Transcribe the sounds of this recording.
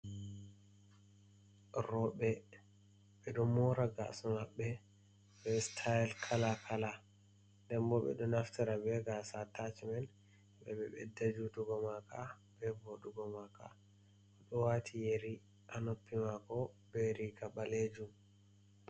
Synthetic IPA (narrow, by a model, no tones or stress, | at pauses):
ɾɔɓɛ | ɓɛɗɔmɔɾaɡa̰sɔmaɓːɛ | bɛstʰajlkʰalakʰala | dɛmbɔɓɛ̰ɗɔnaftiɾabɛɡasatat͡ʃimɛn | ɓɛɓɛɓɛ̰dad͡ʒutuɡɔmaka | bɛboɗuɡɔmaka̰ | ɗɔwatʰijeɾi | ʔanopːimakɔbɛɾikaɓaled͡ʒum